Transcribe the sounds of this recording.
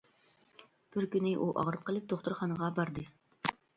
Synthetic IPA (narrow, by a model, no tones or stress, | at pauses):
b̥ɪɾkʲynɪʔuʔɑ̰ʁɾɨp̚qʰəlˠɨp̚d̪oχt̪uɾχɑnəʁɑbɑɾd̪ɨ